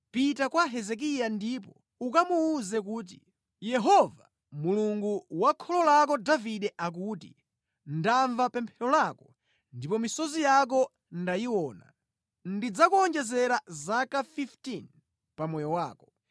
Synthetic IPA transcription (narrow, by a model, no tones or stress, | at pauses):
pitakwaɦɛzɛk̬ijandip̬ɔ | ukamuːzɛkuːt̬ḭ | jɛɦɔva̰ | muluŋɡuwakʰɔlɔlak̬ɔdaviɗɛʔak̬utḭ | ndaɱvapɛmpʰɛlɔlaːkɔ | ndipɔmisɔzijak̬ɔ | ndajiwɔːna̰ | ndid͡zakuɔnd͡ʒɛzɛɾazakafiftin | pamɔjɔwaːkɔ̥